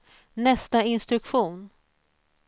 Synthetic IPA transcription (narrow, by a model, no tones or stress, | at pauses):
nɛst̪aɪnst̪ɾɵkɧuːn